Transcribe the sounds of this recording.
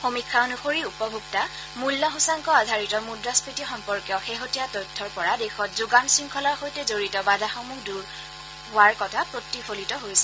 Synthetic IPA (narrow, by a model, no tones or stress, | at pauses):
xomikʰːaɔnuxoɹiupɔbʱukta | mulːɔɦusaŋkɔadʱaɹitɔmudɹaspitixɔmpɔɹkjɔxeɦotijatɔtʰːɔɹpɔɹadexɔtzuɡansiŋkʰɔlaɹxojtɛzoɹitɔbadʱaxɔmuɡduɹ | ɦʊaɹkɔtʰapɹotːifʰolitɔɦojsɛ